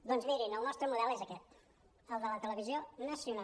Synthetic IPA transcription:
d̪onzmiɾinəlˠnɔst̪ɾəmuðɛlezəkɛt̪ | əlˠd̪ələt̪ələβizjonəsiuna

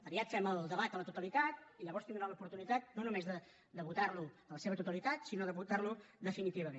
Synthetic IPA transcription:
əβiat̪fɛməlˠd̪əβat̪ələt̪ut̪əlit̪at̪iʎəβɔɾst̪ind̪ɾanupuɾt̪unit̪at̪̚nonumezðə | d̪əβut̪arluələseβət̪ut̪əlit̪at̪sinoðəβut̪arlud̪əfinit̪iβəmẽn

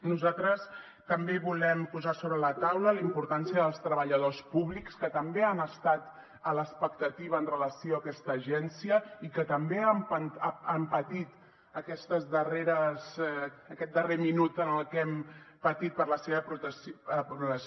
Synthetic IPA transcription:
nuzat̪ɾəs | t̪əmbeβulɛmpuzasoβɾələt̪awləlimpuɾt̪ansiəðəlˠst̪ɾəβəʎəð̞ospuβlikskət̪əmbeanəst̪at̪ | ələspəkt̪ət̪iβəːnrələsioəkɛst̪əːʒɛnsiəikət̪əmbeampənampət̪it̪ | əkɛst̪əzðəreɾəz | əkɛt̪̚d̪əreminut̪ənəlˠkɛmpət̪it̪̚pəɾləseβəpɾuəpɾut̪əs

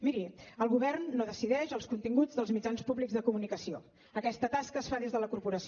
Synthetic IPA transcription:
miɾiəlˠɣuβɛrnːoðəsiðɛʒəlˠskunt̪iŋɡud͡zðəlˠzmid͡ʒanspuβliɡzðəkumunikəsio | əkɛst̪ət̪askəːsfaðezðələkuɾpuɾəs

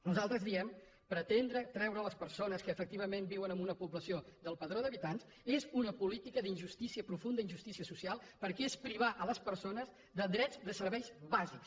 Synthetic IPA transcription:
nuzalˠt̪ɾəzðiɛm | pɾət̪end̪ɾət̪ɾɛwɾəːləspəɾsonəskəːfək̚t̪iβ̞əmẽmbiwənəmunəpuβləsiod̪əlˠpəðɾoðəβit̪ans | ezunəpulit̪ikəðinʲʒust̪isiəpɾufund̪əinʒust̪isiəsusialˠpəɾkɛespɾiβ̞aʔələspəɾsonəz | ðəd̪ɾɛzd̪əsəɾβɛjzβaziks

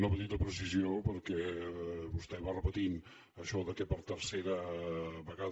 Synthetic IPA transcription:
nəpət̪it̪əpɾəs̬iziopəɾkɛβust̪ɛβarəpət̪in | əʃɔðəkɛpəɾt̪əɾseɾəβəɣað

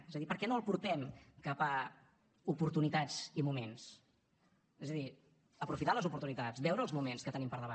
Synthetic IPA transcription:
ezəðipəɾkɛnoəlˠpuɾt̪ɛmkapa | upuɾt̪unit̪ad͡zimumens | ezəði | əpɾufit̪aləzupuɾt̪unit̪azbɛwɾəːlˠzmumenskət̪ənimpəɾðəβa

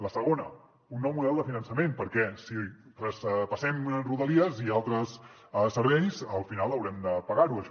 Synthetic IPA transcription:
ləsəɣ̞onə | unːɔwmuðɛlˠd̪əfinənsəmenpəɾkɛsi | rəspəsɛmruðəliəzialˠt̪ɾəs | səɾβɛjzəlˠfinalˠəwɾɛmd̪əpəɣaɾuəʃ

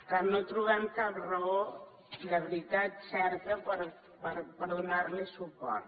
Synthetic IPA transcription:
kanːot̪ɾuβ̞ɛmkaprəo | d̪əβɾit̪at̪sɛɾk̪əpəɾ | pəɾpəɾðunaɾlesupɔ̰ɾt̪

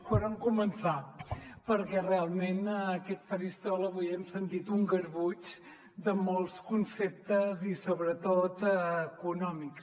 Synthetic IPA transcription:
foɾəŋkumənsapəɾkɛrealˠmenəkɛt̪fəɾist̪ɔləβujɛmsənt̪it̪uŋɡəɾβut͡ʃ | d̪əmɔlˠskunsɛp̚t̪əzisoβɾət̪ot̪əkunɔmiks

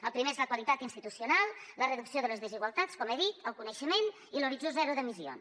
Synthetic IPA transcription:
əlˠpɾimeezləkwəlit̪at̪inst̪it̪usiunalˠlərəðuksioðələzðəziɣwəlˠt̪at͡skɔmeðit̪əlˠkunəʃəmen | iluɾid͡zozɛɾuðəmizio̰ns

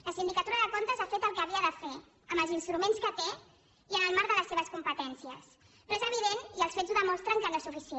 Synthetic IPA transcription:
ləsind̪ikət̪uɾəðəkont̪əzafet̪əlˠkəːβiəðəfe | əmbəlzinst̪ɾumenskət̪e | iənəlˠmaɾðələsːeβəskumpət̪ɛnsiəs | noezəβ̞iðeniəlˠsfezuðəmɔst̪ɾəŋkələsufisie

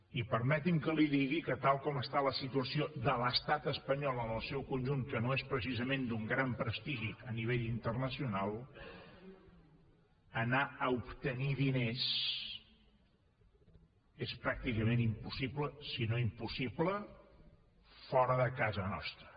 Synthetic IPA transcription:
ipəɾmɛt̪imkəliðiɣikət̪alˠkɔməst̪aləsit̪uəsiod̪ələst̪at̪əspəɲɔlˠənəlˠsɛwkunʲʒuŋkənoespɾəsizəmẽnd̪uŋɡɾampɾəst̪iʒiəniβ̞eʎint̪ərnəsiunalˠ | ənaəupt̪əniðines | espɾak̚t̪ikəmenimpusibləsinoimpusiblə | fɔɾəðəkazənɔ̰st̪ɾə

